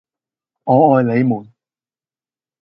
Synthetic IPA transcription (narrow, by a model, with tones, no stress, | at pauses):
ŋɔː˨˧ɔː˨˧jle˨˧jmuː˨˩n